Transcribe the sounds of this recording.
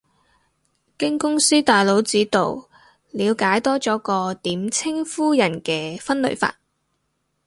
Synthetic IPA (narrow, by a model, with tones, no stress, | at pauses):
kɪ˥ŋkʊ˥ŋsiː˥t̪aː˨jlo˨˥wt͡siː˨˥t̪o̰˨w | liː˨˧wkaː˨˥jt̪ɔː˥t͡ʃɔː˨˥kɔː˧t̪iː˨˥mt͡sʰɪ˥ŋfuː˥jɐ˨˩nkɛː˧fɐ˥nlɵ̰˨˧ɥfa̰ː˧t̚